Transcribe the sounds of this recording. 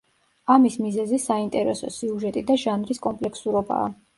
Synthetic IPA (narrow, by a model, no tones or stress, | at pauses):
amismizɛzisaint̪ʼɛɾɛsɔ̰siuʒɛt̪ʼid̪aʒanɾiskʼɔmpʼlɛksuɾɔba̰ː